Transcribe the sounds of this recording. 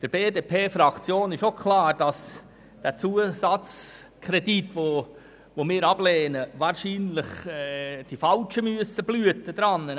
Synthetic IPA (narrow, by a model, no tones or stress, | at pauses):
d̥əɾb̥eːdeːpʰeːfɾɑkt͡sjoːnɪʃokʰlɑːɾd̥ɑs | d̥æt͡suəsɑt͡s | kʰrɛditʋo | ʋomɪːɾɑbleːnəʋɑːɾʃiːnlɪχ | d̥ifɑlt͡ʃəmyəsəb̥lyətəd̥̪ɾɑnːə